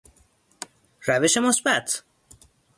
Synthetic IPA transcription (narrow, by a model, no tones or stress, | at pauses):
ɾæve̞ʃe̞mosbæt̪ʰ